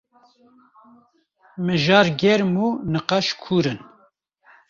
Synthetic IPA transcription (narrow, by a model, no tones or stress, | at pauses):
mɨʒɑːɾɡʲɛɾmuːnɨqɑʃkʰuːɾɨn